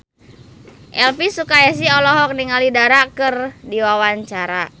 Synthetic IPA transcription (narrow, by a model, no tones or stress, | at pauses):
ʔɛlpisukaas̬iɔlɔɦɔk̚niŋalidaɾakɨrdiwawaɲt͡ʃaɾa